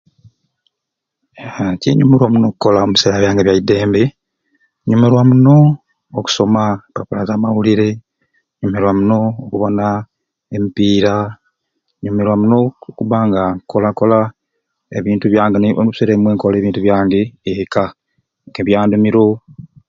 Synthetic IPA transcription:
acḛɲumeɾwamuno̞kuko̞lamiseːɾaβjaːŋɡeβjaide̞ːmbe | ɲumeɾwamuno̞ː | ku̥so̞mapapulazaːmawuliɾe̞ | ɲumeɾwamuno̞ːkuβo̞na | emipiːɾa | ɲumeɾwamunokuβaŋɡako̞lako̞la | eβiːntuβjaːŋɡenoβseɾemweːŋkoleːβiːntuβjaːŋɡeeka | eβjaːndumiɾo

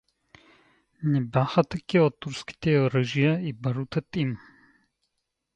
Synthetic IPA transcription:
nɛbʲaxɐt̪ɐkiot̪ːuɾski̥t̪ɛoɾəʒijaibɐɾut̪ət̪im

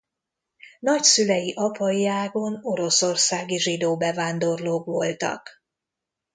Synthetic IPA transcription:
nɒcsylɛjiʔɒpɒjiaːɡo̞no̞ɾo̞so̞rsaːɡiʒid̪oːbɛvaːnd̪o̞rloːkʋo̞lt̪ɒ̰k

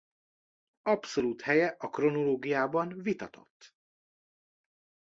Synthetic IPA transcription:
ɒpso̞luːt̪hɛjɛʔɒkro̞no̞loːɡijaːbɒnvit̪ɒt̪ʰo̰t̪ː

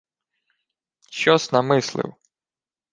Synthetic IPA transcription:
ʃɔsnɐmɪslˠɪ̰w

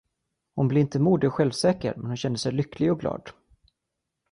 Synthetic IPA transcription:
hʊnbleːɪnt̪əmuːd̪ɪɔɧɛlvsɛːkə̰ɾmɛnhʊnɕɛnd̪əsɛjlʏklɪɡɔɡlɑ̰ːd̪

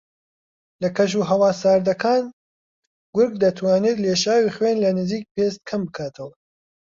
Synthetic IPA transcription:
lɐkʰɐʃ̬uːɦɐwaːsaːɾd̪ɐkʰaːn | ɡʊɾɡd̪ɐt̪ʰwaːneːt̪leːʃaːwiːχwenlɐnɨziːk̚peːst̪̚kʰɐmbɨkʰaːt̪ʰɐwɐ

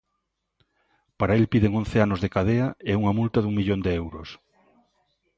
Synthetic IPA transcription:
paɾaelpiðeŋon̟θeanʊzðekaðeɐeuŋɐmult̪aðuŋmiʎond̪eɛwɾʊs

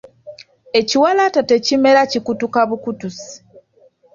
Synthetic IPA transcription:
e̞ciwalatate̞cime̞ɾacikutukaβukutusi̥

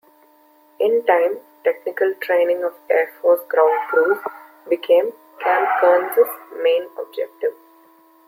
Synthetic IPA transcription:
ʔɪ̃nʈãɪ̃m | ʈeknɪkəlʈɾẽːnɪ̃ŋɡɔʋeːɾfɔːɾsɡɾãʊ̃ɳɖ̚pɾuːf | bɪkʰẽːm | kʰæ̃ːmpkəːnsɪsmẽːnɔ̰b̚d͡ʒɛk̚ʈɪʋ

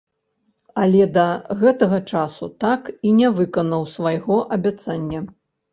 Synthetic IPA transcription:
ɐlʲɛd̪ɐɣɛt̪ɐɣɐt͡ʂasut̪akinʲɛvɨkɐnɐwsvajɣɔʔɐbʲat̪sanʲːɐ

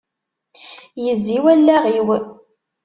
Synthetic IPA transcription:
jəzːiwælːæʁiw

